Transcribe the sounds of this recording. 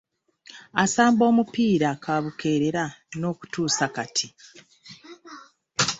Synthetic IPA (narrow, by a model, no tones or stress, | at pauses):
asaːmbo̞ːmupiːɾakʰaβukʰe̞ːɾeɾano̞ːku̥tuːsakatʰi